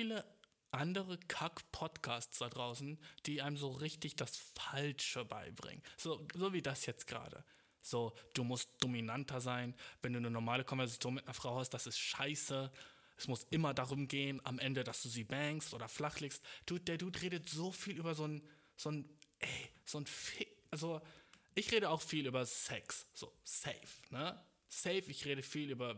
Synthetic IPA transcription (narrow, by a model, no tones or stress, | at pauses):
fiːlə | ʔandəʁəkʰakpʰɔtkʰaːstsd̥adʁaʊsn̩d̥iːʔaɪməmzoːʁɪçtɪçd̥asfalʃəba̰ɪbʁɪ̰ŋənnz̥oːzoːviːdasjɛt͡stɡ̥ʁa̰ːdə̰ | z̥oːd̥uːmʊst̚d̥ominantʰɐzaɪnvɛnduːnənɔɐmaːləkʰɔnvɛɐzat͡sjoːnmɪtnɐfʁ̥aʊhast̚d̥asɪstʃaɪsə | ʔɛsmʊsʔɪmɐdaʁʊmɡeːənʔa̰mʔɛndədasd̥uːziːbɛŋkstʔoːdɐflaχlɪːkstd̥uːd̥ɛːɐduːtʁeːɾətz̥oːfiːlyːbɐzoːn | z̥oːnʔɛz̥oːnfɪʔalzoʔɪçʁeːɾəaʊxfiːlyːbɐsɛksz̥o̰ːsɛɪfnə | sɛɪfɪçʁeːɾəfiːlyːbɐ